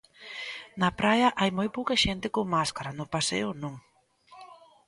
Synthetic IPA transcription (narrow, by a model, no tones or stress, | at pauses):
nɐpɾajɐʔajmojpowkɐʃent̪ɪkoŋmaskaɾanʊpasḛʊnõŋ